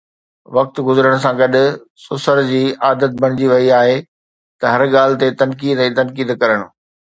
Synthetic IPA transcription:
ʋɐk̚t̪ɡʊzɾəɽ̃ʊ̆sãɡɐɗɪ̆ | sʊsəɾd͡ʑiːaːd̪ət̪̚bʱɐɽ̃ɪd͡ʑiʋɐiaːɦe | t̪ɐɦɐɾɠaːlɪ̆t̪et̪ɐnkiːd̪ɛ̃ːt̪ɐnkiːd̪kɐɾəɽ̃ʊ̆

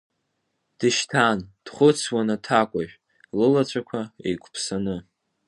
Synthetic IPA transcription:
d̥ɨʃtʰand̥χʷʊt͡sʰwanatʰakʷʼaʒᶣʷ | lɨlat͡ɕʷʰakʷʰaḛjkʷʰʼpʰsanɨ

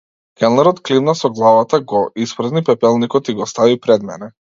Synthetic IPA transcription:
kɛlˠnɛɾɔt̪klivnasɔɡlˠavat̪aɡɔʔispɾ̩znipɛpɛlˠnikɔt̪iɡɔst̪avipɾɛd̪mɛ̰nɛ

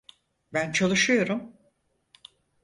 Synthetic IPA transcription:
bænt͡ʃʰalˠɯʃɯjo̞ɾum

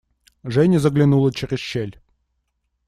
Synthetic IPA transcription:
ʐɛnʲɪzəɡlʲɪnulˠət͡ɕɪɾʲɪsɕelʲ

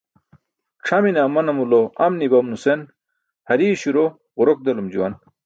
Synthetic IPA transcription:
ʈ͡ʂʰɐminɐːmɐnɐmuloɐmnibɐmnusen | hɐɾiːɕuɾo | uɾok̚d̪ɐlumd͡ʑuwɐn

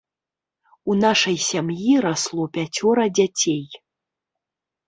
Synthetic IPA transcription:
unaʂɐjsʲamjiɾaslˠɔpʲat͡sʲɔɾɐd͡zʲat͡sʲej

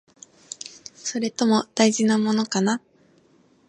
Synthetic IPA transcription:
so̞ɾe̞t̪o̞mo̞d̪̥aiʑinamo̞no̞kana

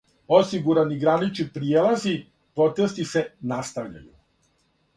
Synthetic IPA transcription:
o̞siɡuɾaniɡɾanit͡ʃnipɾijelˠazi | pɾo̞t̪est̪isenast̪aʋʎa̰jṵ

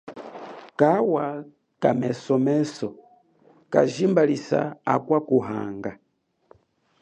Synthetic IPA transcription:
kawa | kamɛsɔmɛsɔ | ka̰ʒimbalisa̰akwakuɦa̰ŋɡa

